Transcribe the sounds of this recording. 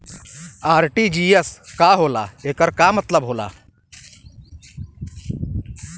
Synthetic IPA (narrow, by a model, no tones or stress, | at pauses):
aːɾʈiːd͡ʒiːeskaːɦoːla̰ːeːkəɾkamət̪ləbɦoːla̰ː